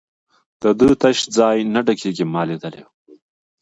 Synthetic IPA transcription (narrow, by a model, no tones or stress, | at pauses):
d̪̥əd̪ət̪ɐʃd͡zɑːjnaɖɐkʰeɡimɑːled̪ɐlḛw